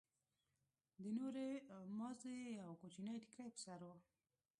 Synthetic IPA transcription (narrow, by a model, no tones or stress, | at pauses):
d̪ənoɾemɑzeawkot͡ʃinajʈ̪i̥kajpə̥saɾwo